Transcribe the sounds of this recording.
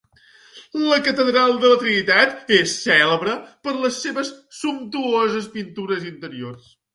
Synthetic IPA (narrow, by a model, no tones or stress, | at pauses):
ləkət̪əðɾalˠd̪ələt̪ɾinit̪at̪esːɛləβɾəpəɾləsːeβəsːumt̪uozəspint̪uɾəzint̪əɾiors